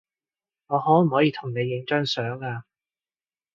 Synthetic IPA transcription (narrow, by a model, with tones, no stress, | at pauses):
ŋɔː˨˧ɦɔː˨˥m̩˨˩hɔː˨˥jiː˧t̪ʰʊ˨˩ŋne˨˧jːɪ˨˧˥ŋt͡ʃœː˥ŋsœː˨˥ŋaː˧